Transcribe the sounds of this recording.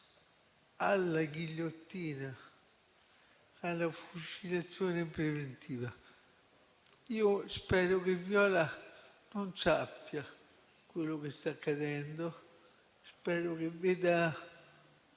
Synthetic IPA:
alːaɡiʎːot̪ːiːna | alafut͡ʃilat̪sːjoːnepɾevent̪ʰiːva | iːospɛːɾokevjɔːla | nonsapːja | kwelːokest̪akːad̪ɛnd̪o | spɛːɾokeveːd̪a

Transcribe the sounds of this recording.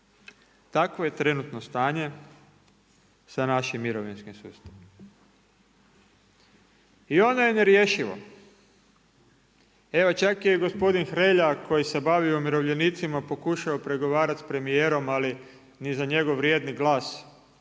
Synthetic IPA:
t̪akʋo̞je̞t̪ɾe̞nut̪no̞st̪aːɲe̞ | sanaʃimːiɾoʋinskimsṵːst̪aʋi | io̞nojene̞ɾje̞ːʃiʋo̰ | e̞ʋot͡ʃakieɡo̞spo̞d̪inxɾe̞ʎako̞jise̞baʋiumiɾo̞ʋʎe̞nit̪simapo̞kuʃaopɾe̞ɡo̞ʋaːɾat̪spɾe̞mijeːɾo̞mali | nizaɲe̞ɡoʋːɾje̞d̪niɡlaːs

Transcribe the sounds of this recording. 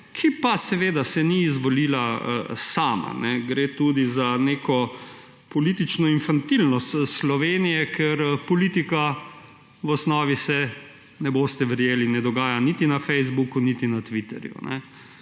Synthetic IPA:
kʰipasɛʋeːd̪asɛniːzʋɔliːlaə̰saːma̰nɛɡɾet̪ud̪izaneːkɔ | pɔlit̪it͡ʃnɔinfant̪ilnɔst̪slɔʋeːnijɛkʰɛɾpɔlit̪ika | ʋɔsnɔːʋisɛ | nɛboːst̪ɛʋəɾjeːlinɛd̪ɔɡaːjanit̪inafɛjzbukunit̪inat̪ʋit̪ɛ̰ɾjṵnɛ̰

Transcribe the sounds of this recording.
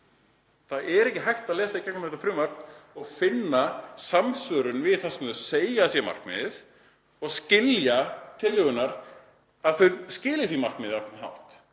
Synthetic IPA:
θaʔɛɾɛhcɪɦajht̪aðlɛːsaicɛknmθɛt̪afɾʏːmar̥knɔɣfɪnːasamsœɾʏnvɪðθɛsːmseːjasjɛma̰r̥kmɪ̰ðɪθ | ɔɣscɪljat̪ʰɪlːʏːɣʏnaɾ | aðθœnscɪːlɪθimar̥knmɪːðɪɾanɦa̰wht̪

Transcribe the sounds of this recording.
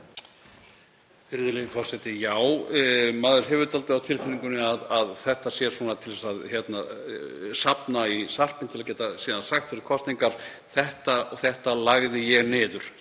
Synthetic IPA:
ɪɾðʏɾlɛɣɪkʰɔsɛt̪ɪjaːwmaːðʏɾ̥ɦɛːvʏɾt̪alt̪ɪawt̪ʰɪlfɪniŋkʏnɪaðaðθɛht̪asjɛ̥sɔːnat̪ʰɪlvɛsaðçjɛt̪na | sapnaisar̥pɪnt̪ʰɪlacɛːt̪asiːðansaxt̪fɛɾɪð̥kʰɔst̪iŋkaɾ̥ | θɛht̪aɔθɛht̪alaɣðɪjɛɣnɪːðʏɾ̥

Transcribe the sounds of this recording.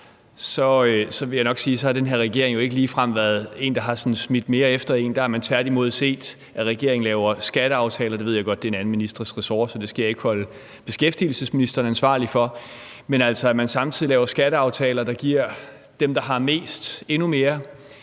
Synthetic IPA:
sɒ̽øsɒ̽ʋe̝ljɑ̈ɪnɒ̽ɡ̥siːsɒ̽hɑ̈d̥enɦeɐ̰ʁɛɡ̥e̝ɐ̰e̝ŋjoe̝ɡ̥əliːfʁam̰ʋæɐð̞̩ˠe̝̰ːnd̥ɑ̈ɦɑ̈sɒ̽nsmid̥me̝ːɐefd̥ɐe̝̰ːnd̥ɑ̈æɐmænt͡sʰʋæɐd̥imo̝ð̞̰ˠse̝̰ːd̥ | ʔæʁɛɡ̥e̝ɐ̰eŋ̩lɛːʊɐsɡ̥æɾ̥əɑ̈ʊt͡sʰɛːlɐd̥eʋe̝ð̰jaɡ̥ɒ̽d̥ːenæn̩minisd̥ʁɐsʁɛsɒːsɒ̽d̥e̝sɡ̥j̰e̝ɡ̥hɒ̽lə | b̥e̝sɡ̥efd̥iːl̩səsminisd̥ɐnænsʋɑ̰̈ːlifɒ̽ | menæl̰sɒ̽æmænsɑ̈mt͡sʰið̰ˠilɛːʊɐsɡ̥æɾ̥əɑ̈ʊt͡sʰɛːlɐd̥ɑ̈ɡ̥iɐ̰ | d̥emd̥ɑ̈ɦɑ̈me̝̰ːsd̥e̝nume̝ːɐ

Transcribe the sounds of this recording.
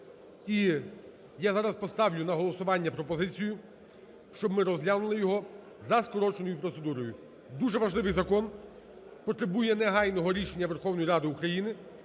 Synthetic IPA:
i | jazɑɾɐspɔst̪ɑwlʲʊnɐɦɔlˠɔsʊʋɑnʲːɐpɾɔpɔzɪt͡sʲijʊ | ʃt͡ʃɔbmɪɾɔzlʲanʊlˠɪjɔɦɔ | zɐskɔɾɔt͡ʃenɔjʊpɾɔt̪sed̪uɾɔjʊ | d̪uʒɛʋɐʒlˠɪʋɪjzɐkɔn | pɔt̪ɾebujɛnɛɦɑjnɔɦɔɾʲiʃenʲːɐʋerxɔwnɔjiɾɑd̪ɪukɾɐjinɪ

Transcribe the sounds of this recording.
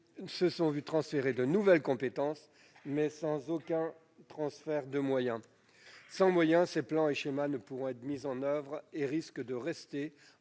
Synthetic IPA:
səsɔ̃vyt̪χɑ̃sfeʁed̪ənuvɛlkɔ̃pet̪ɑ̃s | mɛsɑ̃zokʲɛ̃ | t̪χɑ̃sfɛʁd̪əmwajɛ̃ | sɑ̃mwajɛ̃seplɑ̃eʃemanəpuʁɔ̃ɛt̪χmizɑ̃nœvʁeʁiskd̪əʁɛst̪e

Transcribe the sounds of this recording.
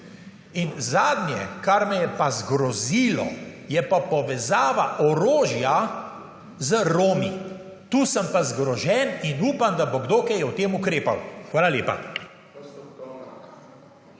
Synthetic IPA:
inzaːd̪njɛkaɾmɛjɛpazɡɾɔziːlɔ̰jɛpapɔʋɛzaːʋaʔɔɾoːʒja | zəɾoːmi | t̪uːsəmpazɡɾɔʒɛninuːpamd̪aboɡd̪oːkɛjɛwt̪eːmukɾeːpawxʋaːlaleːpa̰

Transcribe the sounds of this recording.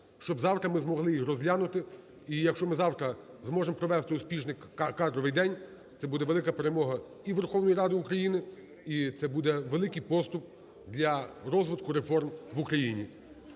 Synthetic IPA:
ʃt͡ʃɔbzɑwt̪ɾɐmɪzmɔɦlˠɪjixrɔzlʲanʊt̪ɪ | ijɐkʃt͡ʃɔmɪzɑwt̪ɾɐ | zmɔʒempɾɔʋɛst̪ɪʊspʲiʒnɪkkɑd̪ɾɔʋɪjd̪ɛnʲ | t̪sɛbud̪ɛʋe̞lˠɪkɐpeɾemɔɦɐ | iʋerxɔwnɔjiɾɑd̪ɪukɾɐjinɪ | it̪sɛbud̪ɛʋelˠɪkɪjpɔst̪ʊp̚ | d̪lʲɐɾɔzʋɪd̪kʊɾefɔrmʋukɾɐjinʲi

